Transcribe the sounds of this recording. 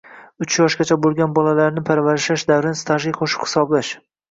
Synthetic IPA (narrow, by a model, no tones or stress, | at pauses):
ʊt͡ʃʰjɒʃɡʲat͡ʃʰabolˠɡʲanbɒlalaɾnɪpʰaɾvaɾɪʃaʃd̪avɾɪnst̪ʰaʒijqʰoʃɪ̥qhɪ̥sɒblaʃ